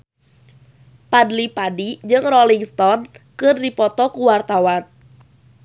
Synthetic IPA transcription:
padlipadid͡ʒɨŋrɔliŋst̪ɔnkɨrdipɔt̪ɔkuwart̪awan

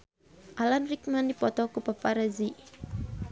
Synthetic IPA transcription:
ʔalanrik̚mandipɔt̪ɔkupapaɾazi

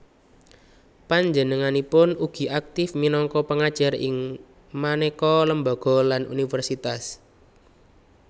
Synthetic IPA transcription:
paɲd͡ʒənəŋanipʊnuɡ̥i̤ʔak̚t̪ɪfminɔŋkɔpəŋad̥ʒ̥ərɪŋ | manekɔləmbɔɡ̥ɔ̤lanṵnifərsit̪as

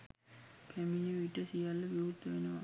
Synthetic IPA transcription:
kʰæmiɲəʋiʈəsijalːəʋiɦut̪ːəʋenəʋa̰

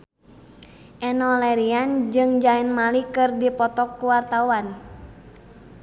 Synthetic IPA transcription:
ʔɛnɔlɛɾiand͡ʒɨŋd͡ʒaɛnmalikɨrdipɔt̪ɔkːuwart̪awan

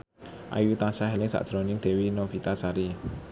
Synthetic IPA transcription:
ʔa̰jut̪asaɦɛlɪŋsa̰ʔd̥ɾonɪŋd̪̥ɛ̤winofit̪asaɾi

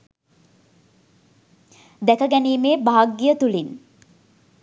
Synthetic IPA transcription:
d̪ækəɡæniːmeːbaaɡːijət̪ulin

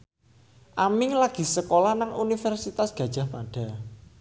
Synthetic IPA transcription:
ʔamɪŋlaɡ̥i̤səkolanaŋunifɛrsit̪asɡ̥ä̤d̥ʒ̥a̤hpaɖ̥a̤

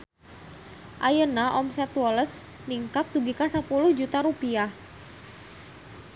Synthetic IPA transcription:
ʔajənaʔɔmsɛt̪wɔləs | niŋkak̚t̪uɡikasapuluhd͡ʒut̪aɾupiah

